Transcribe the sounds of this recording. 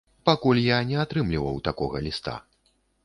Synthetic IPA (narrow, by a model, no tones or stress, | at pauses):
pakulʲjanʲɛat̪ɾɨmlʲivɐwt̪akɔɣɐlʲist̪a̰